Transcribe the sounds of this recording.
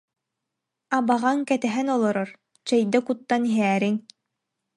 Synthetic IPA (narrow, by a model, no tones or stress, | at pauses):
abaʁaŋkɛt̪ɛɦɛnɔlˠɔɾɔɾ | t͡ɕɛjd̪akut̪ːaniɦɛːɾin